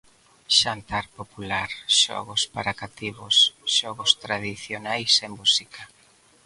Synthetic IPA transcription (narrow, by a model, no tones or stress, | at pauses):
ʃant̪aɾpopulaɾʃɔ̰ɣʊspaɾakat̪iβʊsʃɔɣʊst̪ɾað̞iθjonajsembusika